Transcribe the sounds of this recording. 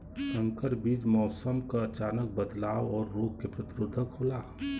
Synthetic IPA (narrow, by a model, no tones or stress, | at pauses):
sə̃ŋkəɾbiːd͡ʒmɔːsəmkaɐt͡ʃaːnək̚bəd̪laːwɔːɾːoːɡ̚kepɾɐt̪ɪɾʊd̪ʱːəkɦoːlaː